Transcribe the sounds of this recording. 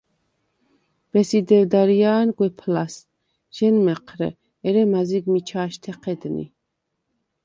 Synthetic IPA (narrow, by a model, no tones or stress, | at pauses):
b̥ɛsid̪ɛvd̪aɾiaːnɡwɛpʰlas | ʒ̥ɛnmɛqʰɾɛ̰ | ɛɾɛmaziɡmit͡ʃʰaːʃt̪ʰɛqʰɛd̪nḭ